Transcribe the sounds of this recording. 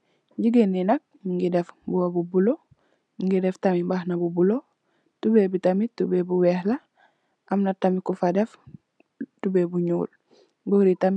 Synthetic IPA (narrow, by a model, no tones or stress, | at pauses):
ɲɟiɡenːinɐk̚ŋɡidefbuwabubulo | ŋɡideftamimbahnabubulo | tubebitamitubebuwɛhla | ʔamnatamikufadɛf | tubebuɲṵːl | buɾitam